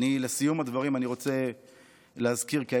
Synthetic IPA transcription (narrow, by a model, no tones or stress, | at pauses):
nilesijumad̪vaʁimaniʁo̞t͡se̞ | leazkiʁkia